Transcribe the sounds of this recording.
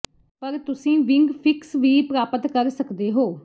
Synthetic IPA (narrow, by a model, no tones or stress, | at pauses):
pəɾt̪ʊsĩːʋɪ̃ŋɡpʰɪksʋiːpɾaːpət̪kəɾsəkd̪eːɦoː